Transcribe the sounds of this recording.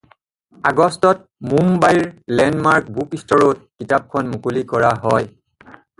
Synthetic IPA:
aɡɔstɔt̚ | mumbajɹlɛnmaɹk̚bʱupistɔɹot̚kitap̚kʰɔnmukulikɔɹaɦɔ̰j

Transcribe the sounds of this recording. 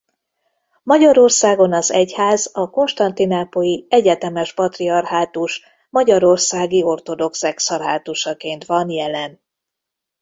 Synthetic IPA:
mɒɟɒɾo̞rsaːɡo̞nɒzɛchaːzɒko̞nʃt̪ɒnt̪inaːpojiɛɟɛt̪ɛmɛʃpɒt̪riɒrɦaːt̪uʃ | mɒɟɒɾo̞rsaːɡio̞rt̪o̞d̪o̞ksɛksɒrɦaːt̪uʃɒkeːnt̪ʋɒnjɛlɛn

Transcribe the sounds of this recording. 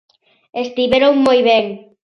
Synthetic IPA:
est̪iβeɾoŋmojβeŋ

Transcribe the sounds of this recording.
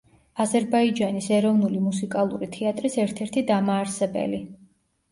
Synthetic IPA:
azɛɾbaid͡ʒanisɛɾɔvnulimusikʼalˠṵɾit̪ʰɛat̪ʼɾisɛɾt̪ʰɛɾt̪ʰid̪amaːɾsɛbɛ̰li

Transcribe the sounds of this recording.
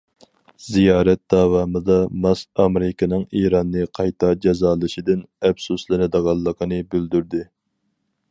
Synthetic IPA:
zijɑːɾɛt̪̚d̪̥ɑːwɑːmɨd̪ɑmɑsɑmeɾɪkɪnɨŋiːɾɑnːɨqʰɑjt̪ʰɑd͡ʒɛzɑːlˠɨʃid̪ɪnɛfsuslˠɨnɨd̪əʁɑlˠːəqʰənɨbyld̪yɾd̪ɪ

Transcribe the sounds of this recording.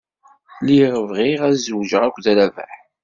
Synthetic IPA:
liʁəvʁiʁæzwʒəʁækʷːðɾævæ̰ħ

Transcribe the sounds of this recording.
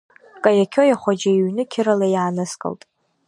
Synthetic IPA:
kʼajakʲʰojaχʷad͡ʒaiɥnɨkʲʰɪɾalajaːnɨskʼɨ̰ltʼ

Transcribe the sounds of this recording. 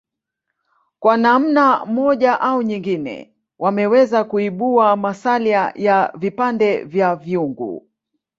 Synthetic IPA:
kwanam̩nam̩ɔʄaʔauɲiŋɡinɛ̰ | wʔamɛwɛzakuiɓuamasaliajavipandɛvjaviuŋɡṵ

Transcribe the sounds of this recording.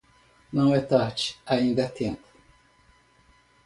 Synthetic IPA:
nɐ̃w̃ɛt̪aɾd͡ʒɪ̥aĩnd̪ɐt̪ẽmpʊ̥

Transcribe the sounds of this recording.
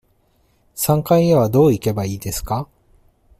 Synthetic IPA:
sãŋkaieβad̪o̞ːike̞baiːd̪e̞sɨ̥ka

